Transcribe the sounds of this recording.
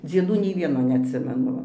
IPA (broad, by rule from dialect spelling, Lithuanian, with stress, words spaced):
d͡zʲiɛˈduː nʲɛɪ ˈʋʲiɛnoː nʲɛɐtʲˈsʲɪmʲɛnʊ ˈʋɐ